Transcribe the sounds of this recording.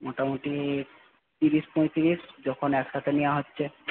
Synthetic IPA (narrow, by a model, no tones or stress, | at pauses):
moʈamoʈi | t̪iɾiʃpõjt̪iɾisd͡ʑɔkʰonɛkʃat̪ʰenijaɦotːɕʰe